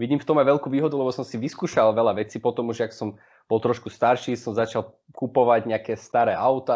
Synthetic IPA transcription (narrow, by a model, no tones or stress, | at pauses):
ʋiɟiːmft̪ɔmajʋɛlkuːʋiːɦɔd̪ulɛbɔsɔmsiʋiskuːʃalʋɛlaʋɛt͡siːpɔt̪ɔmuʒaksɔm | b̥ɔlˠt̪ɾɔʃkust̪aɾʃiːsɔmzat͡ʃal | kupɔʋaɟɲɛakɛst̪aɾɛːʔaʊt̪a